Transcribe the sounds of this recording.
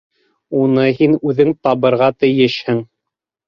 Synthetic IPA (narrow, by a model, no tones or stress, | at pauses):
unɤɦinʉðɘŋt̪ɑβɤ̆ɾʁɑt̪ɘ̆jɘʃhɘ̆ŋ